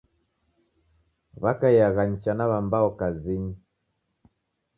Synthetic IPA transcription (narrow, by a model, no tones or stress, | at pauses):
βakajaɣaɲ̩t͡ʃanaβambaɔkaziɲi